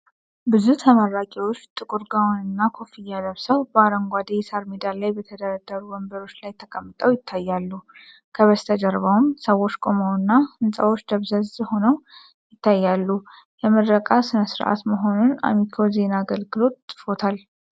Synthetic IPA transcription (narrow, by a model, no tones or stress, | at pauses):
bɨzut̪ʰəmaɾakʼiwo̞t͡ʃːt̪ʼɨkʼuɾɡawnɨnːakʰo̞fijad̪əβsəwbəaɾəŋɡʷad̪ejsaɾmed̪allajbət̪ʰəd̪əɾəd̪ːəɾuwəmbəɾo̞t͡ʃːlajt̪ʰəkʼəmːɨt̪ʼəwjɪt̪ʰːajːalːu | kʰəβəst̪ʰəd͡ʒəɾβawumsəwo̞t͡ʃːkʼo̞mawnːahɨnsʼəwo̞t͡ʃːd̪əβzəzho̞nəw | jɪt̪ʰːajːalːu | jɛməd̪ɾəkʼasɨnəsɨɾʔa̰t̪məɦo̞nuna̰mikʰo̞ze̞naːɡəlɡɨlo̞t̪t̪ʼːɨ̥fo̞t̪ʰal